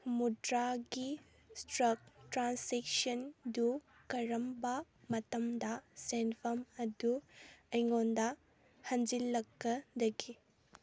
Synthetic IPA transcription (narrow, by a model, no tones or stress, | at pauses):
mudɾaɡi | stɾɐk̚tɾansek̚sɐndu | kɐɾɐmbɐ | mɐtɐmdɐsenpʰɐmɐduɐjŋondɐ | hɐnd͡ʒilːɐkːɐdɐɡi